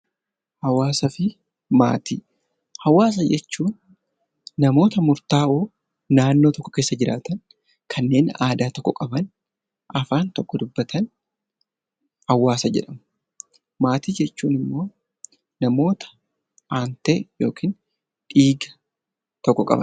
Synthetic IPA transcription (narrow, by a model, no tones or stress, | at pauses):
hɐwaːsɐfɪ | ma̰ːt̪ḭː | hɐwaːs̬ɐd͡ʒɛt͡ʃːuːn | nɐmo̞ːt̪ɐmʊɾt̪aːʔoː | naːnːoːt̪ɔkːɔ̥ke̞ːsːɐd͡ʒɪɾaːt̪ɐn | kʰɐnːe̞ːnaːd̪aːt̪ɔkːɔkʼɐbɐn | ʔɐfaːnt̪ɔkːɔd̪ʊbːɐt̪ʰɐn | hɐwːaːsɐd͡ʒɛ̰ᶑɐmɐ | maːt̪iːd͡ʒɛt͡ʃːuːnɪmːo̞ː | nɐmo̞ːt̪ɐ̥ | ʔaːnt̪eːjoːkʰiːn | ᶑiːɡɐ | t̪ɔkːɔkʼɐ̰bɐ̰n